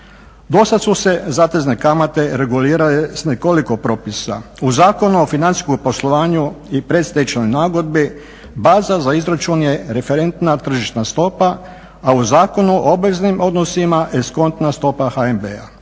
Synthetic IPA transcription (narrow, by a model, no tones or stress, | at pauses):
d̪o̞sad̪suse̞zaːt̪e̞zne̞kamat̪e̞ɾe̞ɡuliːɾalesneko̞liko̞pɾo̞ːpisa̰uzaːko̞nuofinant̪i̥skompo̞slˠo̞ʋaːɲuipɾe̞t̪st̪ajit͡ʃno̞jnaːɡo̞d̪̚bi | baːzazaizɾat͡ʃunje̞ɾe̞fe̞ɾe̞nt̪nat̪r̩ʒiʃt̪nast̪o̞pa | auzaːko̞nuʔoobʋeznimo̞d̪nosimaʔesko̞nt̪nast̪o̞pahaembḛa